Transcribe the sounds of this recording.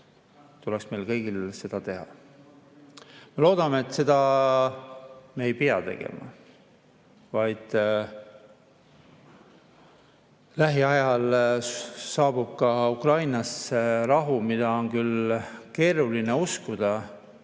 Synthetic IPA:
t̪ulɛksme̞jlkɤ̞jɡ̥ilse̞d̪̥ɑt̪e̞ɦɑ̰ | me̞lo̞ːd̪̥ɑme̞ːt̪ːˑse̞d̪̥ɑ | me̞ːjpiɑt̪e̞̰ɡ̥ḛmɑ̰ | vɑjd̪̥ | læɦiɑjɑlː | ɑːb̥ub̥̚kɑukrɑjnɑserɑɦumid̪̥ɑo̞nkylke̞ːɾuline̞uskud̪̥ɑ

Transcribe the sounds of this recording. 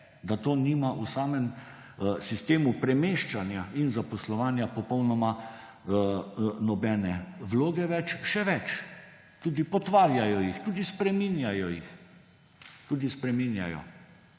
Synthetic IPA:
d̪at̪oːnimaʔusaːmɛm | sist̪eːmupɾɛmeːʃt͡ʃanjainzapɔslɔʋaːnjapɔpɔwnɔma | nɔbɛːnɛʋloːɡɛʋɛt͡ʃʃɛʋɛt͡ʃ | t̪uːd̪ipɔt̪ʋaːɾjajɔjixt̪uːd̪ispɾɛminjajɔjḭx | t̪uːd̪ispɾɛminja̰jɔ̰

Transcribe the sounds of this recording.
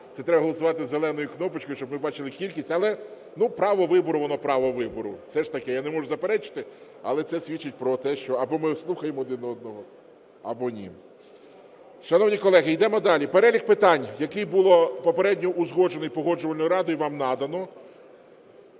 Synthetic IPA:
t̪ɛt̪ɾɛbɐɦɔlˠɔsʊʋɑt̪ɪzːelˠɛnɔjʊknɔpɪt͡ʃʲkɔjʊʃt͡ʃɔbmɪbɑt͡ʃɪlˠɪkʲilʲkʲisʲtʲɐlˠɛ | nupɾɑʋɔʋɪbɔɾʊʋɔnɔpɾɑʋɔʋɪbɔɾʊsɛʃt̪ɐkɛjanemɔʒʊzɐpeɾɛt͡ʃɪ̥t̪ɪ | ɐlˠɛt̪sɛsʲʋʲit͡ʃːɪt̚ʲpɾɔt̪ɛʃt͡ʃɔɐbɔmɪslˠuxɐjemɔd̪ɪnɔd̪̚nɔɦɔ | ɐ̰bɔnʲḭ | ʃɐnɔwnʲikɔlˠɛɦɪjd̪ɛmɔd̪ɑlʲipeɾɛlʲikpɪt̪ɑnʲjɐkɪjbulˠɔpɔpeɾɛdʲnʲɔʔuzɦɔd͡ʒenɔjpɔɦɔd͡ʒʊʋɐlʲnɔjʊɾɑd̪ʊjʊʋɑmnɑd̪ɐnɔ

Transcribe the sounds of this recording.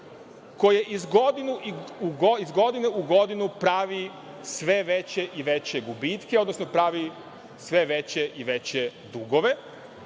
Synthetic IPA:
kojeʔizɡod̪inuiuɡoizɡo̞d̪ineuɡo̞d̪inupɾaːʋi | sʋeʋet͡ɕeʔiʋet͡ɕeɡubit̪keo̞d̪nosnopɾaːʋi | sʋeʋet͡ɕeʔiʋet͡ɕed̪uɡoʋe̞

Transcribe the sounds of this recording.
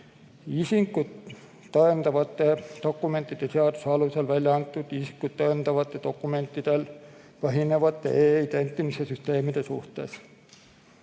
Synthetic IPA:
isiŋkːut̪ː | ɑent̪ɑʋɑt̪ːed̪̥okːume̞nt̪ˑːit̪eseɑt̪usɑluselʋælʲjɑɑnt̪ːˑut̪isi̥kːut̪t̪ɑent̪ɑʋɑt̪ːet̪okːume̞nt̪ːit̪el | pɑɦineʋɑt̪ːḛeːit̪ent̪ːimisesyst̪eːmid̪esṵht̪ˑḛːs

